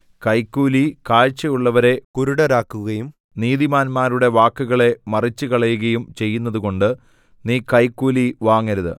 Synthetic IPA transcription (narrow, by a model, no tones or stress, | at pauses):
kɐjkːuːlikaːɻt͡ɕːɐjuɭːɐʋɐɾe̞kuɾuɽɐɾaːkːuɣɐjum | niːðimaːnmaːɾuɽe̞ʋaːkːuɣɐɭe̞mɐrit͡ɕːɨkɐɭɐjuɣɐjumt͡ɕe̞jːunːɐðuko̞ɳɖɨ | niːkɐjkːuːliʋaːŋːɐɾuðɨ̰